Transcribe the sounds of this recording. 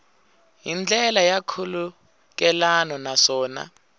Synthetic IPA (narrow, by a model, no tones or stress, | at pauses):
jind͡ɮʱɛlajakʰulu | k̬ɛlanɔnaʂɔːna̰